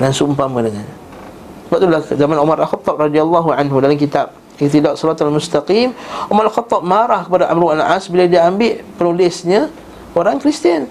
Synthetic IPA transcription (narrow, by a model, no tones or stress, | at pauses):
nansumpaməkənaɲa | səbap̚t̪ulahzamanumaɾʔalxɑt̪ˤːɑb̚rɑdialːaɦuʕanɦudalamkit̪ab̚ | ɪt̪idaʔsɔɾat̪almust̪aqimʔumaɾalxɑt̪ˤːɑb̚maɾahkəpadaʔa̰mɾualʕasbiladiaambɪʔpənulɪsɲa | oɾaŋkɾist̪ian